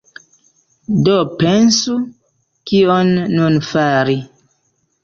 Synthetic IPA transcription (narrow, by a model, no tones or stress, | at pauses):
dopensu | kionːunfaɾi